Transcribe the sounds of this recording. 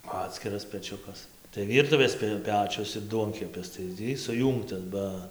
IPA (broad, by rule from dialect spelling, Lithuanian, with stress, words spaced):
ˈɑːtʲsʲkʲɪrɐs pʲɛˈt͡ʃʲʊkɐs tɐɪ ˈʋʲiːrtʊʋʲeːs pʲɪ ˈpʲæːt͡ʃʲʊs ɪr ˈduɔŋʲkʲɛpʲɪs tɐɪ ˈtʲiː sʊˈjuːŋktɐs ˈbɐ